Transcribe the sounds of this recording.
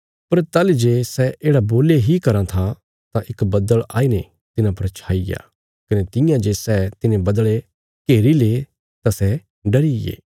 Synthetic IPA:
pɐɾt̪aːlid͡ʒeːsɛʔeːɽaboːleɦikɐɾãt̪ʰa | t̪ãʔɪkbɐd̪əɭa̰ːine | t̪ɪnãpɐɾt͡ʃʰaːija̰ː | kɐnet̪ɪ̃jãd͡ʒeːsɛt̪ɪnẽbɐd̪ɭe | keːɾileː | t̪asɛ | ɖɐɽijḛː

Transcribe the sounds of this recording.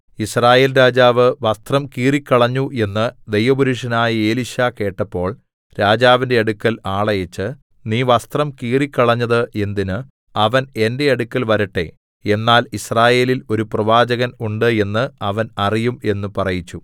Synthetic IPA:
israːje̞ːlɾaːd͡ʑaːʋɨʋɐst̪rɐmkiːrikʲːɐɭɐɲːuʔe̞nːɨd̪e̞jʋɐbuɾuʂɐnaːjie̞ːliɕake̞ːʈːɐpːo̞ːɭ | ɾaːd͡ʑaːʋindeɐɽukːɐlaːɭɐjɐt͡ɕːɨ | niːʋɐst̪rɐmkiːrikʲːɐɭɐɲːɐðɨʔe̞nd̪inɨ | ɐʋɐne̞nde̞ɐɽukʲːɐlʋɐɾiʈːe̞̰ | e̞nːaːlisraːje̞ːlilo̞ɾuprɐʋaːd͡ʑɐɣɐnuɳɖɨe̞nːɨɐʋɐnɐrijume̞nːupɐrɐjit͡ɕːu

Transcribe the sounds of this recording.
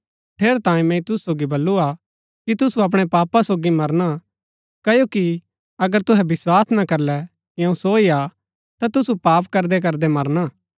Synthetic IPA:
ʈʰeːɾt̪ãːĩmɛ̃ĩt̪ʊsu̥soːɡibɐlːua | kit̪ʊsuɐp̬ɽ̃ɛpaːpasoːɡimɐɾna | kɐjoːki | ɐɡəɾt̪ʊɦɛbɪswaːsnakɐɾlɛ | kiɐ̃ũsoːia | t̪at̪ʊsupaːpkɐɾd̪ɛk̬ɐɾd̪ɛmɐɾnaː

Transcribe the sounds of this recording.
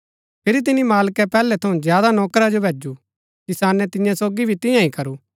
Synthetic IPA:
pʰɪɾit̪̬ɪnimaːlkɛpɛːlɛt̪ʰɐũzjaːd̪anɔːkɾad͡ʒobʱeːd͡ʒu | kɪsaːnɛt̪ɪ̃jãsoːɡibʱit̪ɪ̃jãĩkɐɾuː

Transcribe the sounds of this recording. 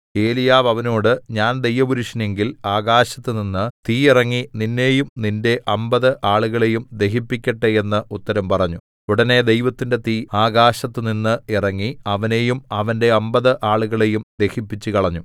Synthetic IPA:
e̞ːlijaːʋɐʋɐnoːɽɨɲaːnd̪e̞jʋɐbuɾuʂine̞ŋɡilaːɣaːɕɐt̪ːɨninːɨt̪iːirɐŋːininːe̞ːjumninde̞ʔɐmbɐðɨʔaːɭuɣɐɭe̞jumd̪e̞ɦipːikʲːɐʈːee̞nːɨʔut̪ːɐɾɐmpɐrɐɲːu | uɽɐne̞d̪e̞jʋɐt̪ːinde̞t̪iːaːɡaːɕɐt̪ːɨninːɨirɐŋːiɐʋɐne̞jumɐʋɐnde̞ɐmbɐðɨʔaːɭuɣɐɭe̞jumd̪e̞hipːit͡ɕːɨkɐɭɐɲːu

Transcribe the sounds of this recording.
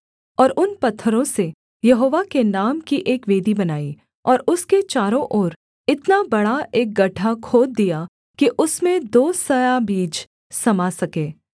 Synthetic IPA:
ɔːɾʔʊnpɐt̪ʰːəɾõse | jɐɦoːʋakenaːmkiʔeːkʋeːd̪ibɐnaːi | ɔːɾʊsket͡ʃaːɾõʔoːɾ | ɪt̪nabɐɽaeːk̚ɡɐʈʰakʰoːd̪̚ːija | kiʔʊsmẽd̪oːsɐjabiːd͡ʒ | sɐmasɐkeː

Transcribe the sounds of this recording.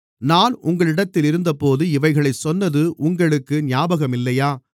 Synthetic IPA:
naːnʊŋɡɐɭɪɽɐt̪ːɪlɪɾɯnd̪ɐpoːðɯɪʋɐɪɣɐɭɐɪsɔnːɐðɯʔʊŋɡɐɭɯkːɯnjaːbɐɣɐmɪlːɐjaː

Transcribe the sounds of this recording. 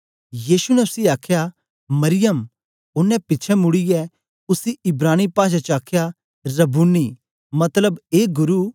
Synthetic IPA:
jiːsunɛʊsiaːkʰja | mɐɾɪjəm | ʊnːɛ̃pɪtːt͡ʃʰɛmʊɽijɛ | ʊsiɪbɾaːñipaːʃ̬at͡ʃaːkʰja | ɾɐbunːi | mɐt̪ləbeːɡʊɾu

